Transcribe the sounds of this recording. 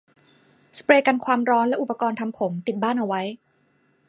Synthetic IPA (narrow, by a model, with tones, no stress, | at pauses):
spɾeː˧ka˧nkʰwaː˧mɾɔː˦˥nlɛ˦˥ʔu˨˩pːa˧kɔː˧nt̪ʰa˧mpʰo˩˦mt̪i˨˩t̪̚baː˥˩nʔa˧wa˦˥j